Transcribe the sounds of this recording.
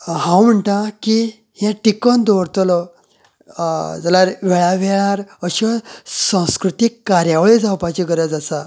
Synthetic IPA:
ɦãwm̤əɳʈ̪aki | hjãʈikənd̪ɔɾt̪lɔ | d͡zəlaɾʋɛɭaʋɛɭaɾəɕɔsãw̃skɾut̪ikːaɾjaʋɭed͡zawpat͡ɕiɡəɾəd͡zasa

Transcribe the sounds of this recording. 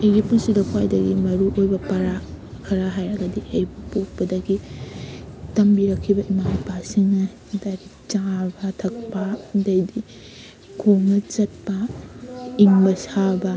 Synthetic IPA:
ɐjɡipunsidɐkʰwajdɐɡimɐɾuʔojbɐpɐɾa | kʰɐɾaɦajɾɐɡɐdiʔɐjbɐpok̚pɐdɐɡi | tɐmbiɾɐkʰːibɐʔimabasiŋɐ | daɡi | t͡ʃabɐtʰɐk̚pɐdɐjdi | ɡʰoŋɐt͡ʃɐt̚pɐ | iŋbɐsabɐ

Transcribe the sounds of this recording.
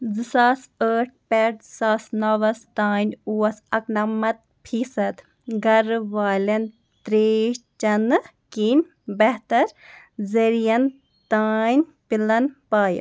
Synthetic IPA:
zɨsaːsəːʈ̚ʰpɛʈzsaːsnɐʋɐst̪aːnʲuːɐsɐknɐmːɐt̪̚ | pʰiːsɐt̪ | ɡɐɾʋaːlʲɐn | t̪ɾeːʃt͡ʃɐnɨ | kinʲ | bɛɦt̪ɐɾ | zeɾijɐn | t̪aːjnʲpilɐnpaːjɐ̰

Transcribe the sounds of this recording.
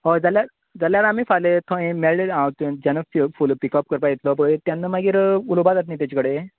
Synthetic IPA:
ɦod͡zalja | d͡zaljaɾamiːfalet̪ʰõẽmeɭɖeãwt̪d͡ʑanəfifulpikɔp̚kəɾpaet̪lɔp̬əɽt̪janːəmaɡiɾulobad͡z̪at̪nĩːt̪jat͡ɕikəɽe

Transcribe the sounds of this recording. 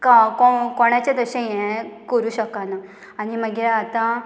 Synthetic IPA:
kakokɔɽ̃at͡ɕjad̪əɕẽjɛkəɾuːɕəkana | animəɡeat̪ã

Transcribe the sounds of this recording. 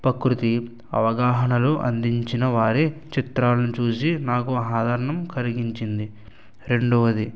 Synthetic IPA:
pɐkɾut̪i | ɐ̰ʋɐɡaːɦɐnɐluʔɐ̰nd̪iɲt͡ʃinɐʋaːɾet͡ʃit̪ɾaːlɐnit͡ʃuːs̬inaːkuɦaːd̪ʱɐɾɐɳɐmkɐliɡiɲt͡ʃind̪i | ɾe̞ɳɖɔʋɐd̪i

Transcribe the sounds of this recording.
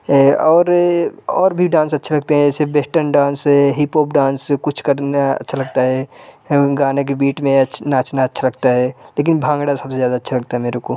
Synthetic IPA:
ɦɛɔːɾɔːɾbʱiɖãːnsɐtːʃʰelɐɡ̚t̪eɦɛ̃d͡ʒɛːsebesʈənɖãːnsɦɛɦipoːpɖãːnskʊt͡ʃʰkɐɾnaɐ̰tːʃʰalɐɡt̪aɦɛ | ɡaːnek̬ebiːʈmẽɐnat͡ʃʰnaːtːʃʰalɐɡ̚t̪aɦɛːleːk̬ɪnbʱãːŋɡɽasɐbsezjaːd̪aɐtːʃʰalɐɡ̚t̪aɦɛmeːɾeko

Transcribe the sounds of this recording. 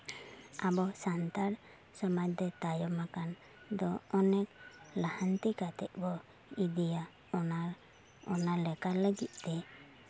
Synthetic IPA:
abɔsant̪aɾ | sɔmat̚d̪ɔt̪ajɔmakan | d̪ɔɔnɛk̚lahant̪ikat̪ɛʔ̪̚bɔ | id̪ija | ɔnaɾ | ɔnalɛkaləɡit̪̚ˀt̪ɛ

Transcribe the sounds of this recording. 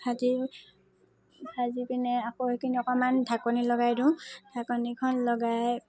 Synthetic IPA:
hazi | azipinɛakoɦekiniɔkɔmandʱakɔnilɔɡajdʊ̃d̥ʱakɔnikʰɔnlɔɡaj

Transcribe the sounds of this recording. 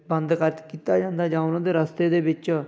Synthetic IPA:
bənd̪kəɾt̪kiːt̪aːd͡ʒãːnd̪aːd͡ʒãːʊnãːd̪eːɾəst̪eːd̪eːbɪt͡ʃ

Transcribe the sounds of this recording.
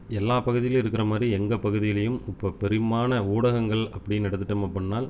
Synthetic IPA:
ɛlːaːpɐɣɯðɪjɪlɪɾɯkːɪɾɐmaːd̪ɾiɛŋɡɐpɐɣɯðɪjɐɪlɐjɯmʊpːɐpɛɾɯmaːnɐuːɽɐɣɐŋɡɐɭɐpːɐɽɪjnɐɽɐt̪ːɯʈːɐmɐpːɐɳːaːl

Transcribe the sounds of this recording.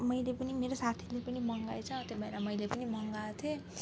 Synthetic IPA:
mʌjlepʌnimeɾosat̪ʰilepʌnimʌŋɡajt͡sʰʌ̃t̪jebʱʌeɾamʌjlepʌnimʱʌŋɡat̪ʰjo

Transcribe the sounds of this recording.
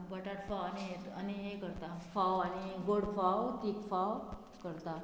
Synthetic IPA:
bəʈaʈfawaniɦet̪aniɦekəɾt̪afawañiɡoɽfawt̪iːkfaw | kəɾt̪a

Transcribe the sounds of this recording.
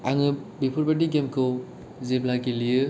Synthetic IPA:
aŋɯbipʰuɾbadiɡemkʰɯw | zeplaɡilijɯ

